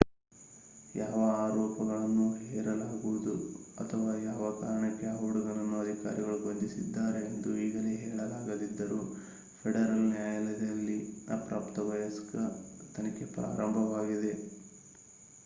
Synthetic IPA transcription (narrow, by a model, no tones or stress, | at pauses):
jaːʋɐaːɾɔːpɐɡɐɭɐnːuɦɛːɾɐlaːɡuʋud̪ṵɐ̰t̪ʰɐʋaːjaːʋɐkaːɾɐɳɐkːeaːuɽuɡɐɭɐnːuɐd̪ʱika̰ːɾiɡɐɭuɡond̪isid̪ːaːɾe̞ːnd̪uiːɡɐleːɦɛːɭɐlaːɡɐd̪id̪ːɐɾu | pʰeɽɐɾɐlnjaːjɐlɐd̪ɐlːiapɾaːpt̪ɐʋɐjɐskɐt̪ɐnɐke̞pɾa̰ːɾɐmbʱɐʋaːɡid̪e̞